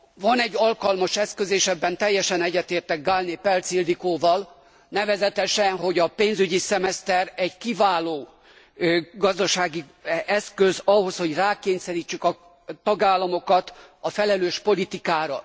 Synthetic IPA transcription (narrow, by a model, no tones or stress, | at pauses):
vɒnɛɟːɒlkɒlmɒʃɛskøzeːʃɛbːɛnt̪ɛjːɛʃɛnɛɟːɛt̪eːrt̪ɛɡ̚ɡalneːpɛlt̪sild̪ikoːvɒl | nɛvɛzɛt̪ɛʃɛnɦo̞ɟɒpeːnzyɟisɛmɛst̪ɛɾɛɟkivaːloː | ɡɒzd̪ɒʃaːɡi | ɛskøzɒɦo̞sho̞ɟraːkeːɲsɛɾiːt͡ʃːykɒ | t̪ɒɡaːlːɒmo̞kɒt̪ɒfɛlɛløːʃpo̞lit̪ikaːɾɒ